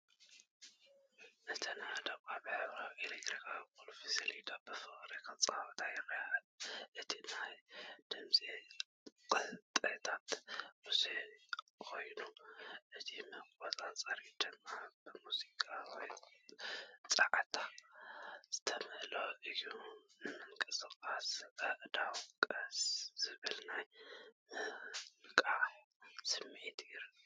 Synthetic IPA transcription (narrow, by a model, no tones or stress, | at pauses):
ʔɨt̪ʰɐnad̪ɐβkʼabɨħɨβɾaweleɡɾikʰakʼolofisɐlid̪abɨfɨχʼɾekʰat͡sʼa̰wt̪ʰajɪɾɐjalʔɨt̪ʰinajd̪̥ɨmzʼi | qʼɨt̪ʼɐt̪ʰat̪mɨsekʰo̞jnuʔɨtʰimɨɡazʼat͡sʼɐɾid̪ɨmːabɨmuzikʼawɔj | t͡sʼaʕt̪ʰa | z̥ɨ̥t̪ʰɐmɨʔloʔɨjunɨmɨŋkʼɐsɨkʼasɨʔɨd̪awkʼɐsz̥ɨβɨlnaj | kʼaʕ | sɨmʕit̪ʰiɾ